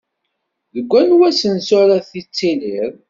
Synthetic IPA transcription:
ðəɡʷːænwæsənsʊɾaθit͡sːiliɾ

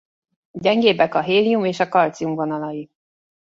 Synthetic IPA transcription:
ɟɛŋɡeːbɛkɒɦeːliumeːʃɒkɒlt̪siumvonɒlɒji

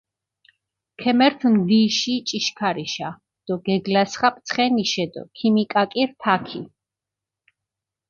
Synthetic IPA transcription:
kʰɛmɛɾt̪ʰmd̪iʃit͡ʃʼiʃkʰaɾiʃa | d̪̥ɔɡɛɡlasχapʼt̪sʰχɛniʃɛd̪ɔ̰kʰimikʼakʼiɾt̪ʰakʰi

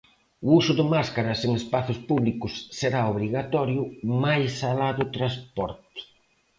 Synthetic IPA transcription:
ʊusʊðɪmaskaɾɐseŋespaθʊspuβlikʊsːeɾaoβɾiɣat̪ɔɾjʊmajsalaðʊt̪ɾaspɔɾt̪

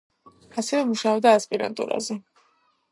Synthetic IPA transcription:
asɛvɛmuʃaɔbd̪aːspʼiɾa̰nt̪ʼṵɾa̰zɛ

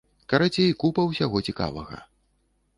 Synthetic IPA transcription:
kɐɾat͡sʲejkupɐwsʲaɣɔt͡sʲika̰vɐ̰ɣɐ̰

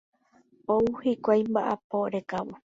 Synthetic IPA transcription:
ouhikʷajmbaʔapoɾekaβo

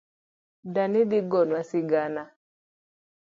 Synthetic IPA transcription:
danidiɡɔnwasiɡana

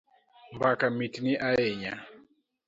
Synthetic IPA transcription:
mbakamitiniʔaɛɲa

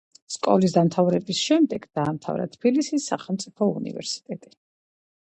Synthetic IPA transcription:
skʼɔlis̬d̪amt̪ʰavɾɛbisʃɛmd̪ɛɡ̥d̪̥aːmt̪ʰa̰vɾa̰t̪ʰb̥ilisisːa̰χɛlˠmt̪sʼipʰɔṵnḭvɛ̰ɾsi̥t̪ʼɛt̪ʼi̥

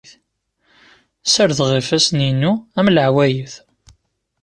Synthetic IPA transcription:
θ | səɾðʁifæsninuæmləʕwæjəθ

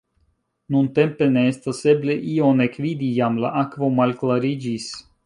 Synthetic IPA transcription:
nunt̪e̞mpe̞ne̞est̪ase̞bleʔionekvid̪ijamla̰ʔakvo̞malklaɾid͡ʒis

